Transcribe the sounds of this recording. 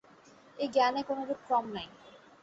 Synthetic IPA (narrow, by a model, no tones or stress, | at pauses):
eɡɛnekonod̪eɾkɾɔmnaj